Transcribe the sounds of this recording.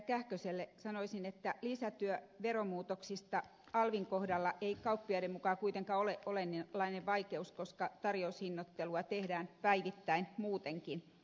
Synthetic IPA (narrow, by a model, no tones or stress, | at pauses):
kæhkøselːesɑnoisinet̪ːælisæt̪yøʋeɾomuːt̪oksist̪ɑ | ɑlʋiŋkohdɑlːɑʔeikɑupːioiɾemukɑkuit̪eŋkɑːoleʔʔolenːlːɑineʋʋɑikeuskoskɑt̪ɑrjoushinːot̪ːeluɑt̪ehdæːnpæiʋit̪ːæinmuːt̪eŋkin